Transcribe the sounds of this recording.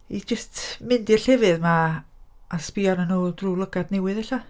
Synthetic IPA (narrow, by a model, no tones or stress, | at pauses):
id͡ʒəstʰmɪndirɬɛvɨðma | aspiɔnənoːlˠdrulˠəɡadnɛwɪðɛɬa